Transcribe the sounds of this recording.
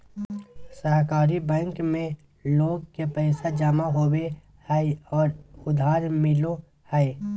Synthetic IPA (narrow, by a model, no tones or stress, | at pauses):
səɦkaːɾibɛ̃ːŋkmẽ | loːɡ̚kepɛːsad͡ʒamaɦoːwe | hɛɔːɾʊd̪ʱaːɾmɪlõ | hɛ